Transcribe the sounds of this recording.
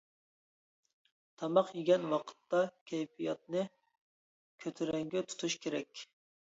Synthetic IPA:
t̪ʰɑmɑqjiɡʲɛnwɑqʰə̥t̪ːɑkʲʰɛjpijɑt̪̚nɨ | kʲʰøt̪ʰyɾɛŋɡʲɛt̪ʰu̥t̪ʰuʃkʲʰeɾɛkʲ

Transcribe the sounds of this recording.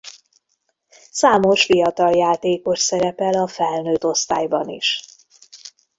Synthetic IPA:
saːmo̞ʃfijɒt̪ɒljaːt̪eːko̞ʃsɛɾɛpɛlɒfɛlnøːt̪o̞st̪aːjbɒnḭʃ

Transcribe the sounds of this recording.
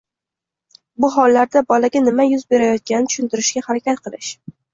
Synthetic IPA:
bʊɦɒlːaɾd̪abɒlaɡʲanɪmajʊzbe̞ɾajɒt̪̚kʲanɪɪt̪ʰʊ̥ʃɪnt̪ɪɾɪʃkʲahaɾakʲat̪qʰɨlˠɪʃ

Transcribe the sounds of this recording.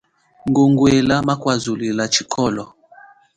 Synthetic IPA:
ŋɡoŋɡwelamakwazulilat͡ʃi̥kʰɔlɔ

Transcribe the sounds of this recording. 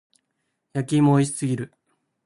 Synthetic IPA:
jakʲimoiɕi̥sɨɡʲiɾɯ̟

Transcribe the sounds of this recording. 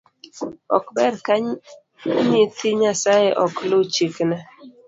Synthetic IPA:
ɔ̰kbɛɾka | ɲitiɲasajeʔɔklot͡ʃikna

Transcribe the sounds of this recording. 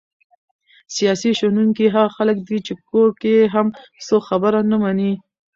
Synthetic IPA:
sijɑsiʃanuŋkiɦaɣxaləkd̪it͡ʃekokeɦamsoxabəɾanamani

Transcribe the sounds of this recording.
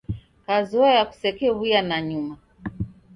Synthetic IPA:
kazɔajaku̥sɛkɛβujanaɲuma

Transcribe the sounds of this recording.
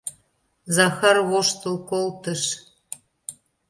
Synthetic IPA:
zɑxɑrβoʃt̪əlkolt̪əʃ

